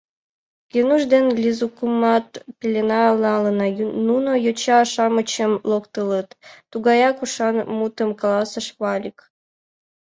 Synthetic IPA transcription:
kenuʒd̪enlʲizukumɑt̪pʲelʲenɑlˠɑlənɑjununojot͡ɕɑːʃɑmət͡ɕəmlokt̪ələt̪ːuɣɑjɑkuʃɑnmut̪əmkɑlɑsəʃβɑlʲik

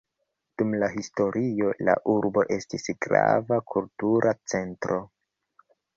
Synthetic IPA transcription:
d̥umlaɦisto̞ɾʔio̞la̰ʔuɾbo̞ʔe̞stisɡɾa̰vakʰultuɾʔat͡se̞ntɾo̞

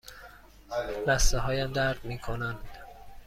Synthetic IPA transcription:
læst̪eɦɒːjæmd̪æɾd̪miːkʰonænd̪̥

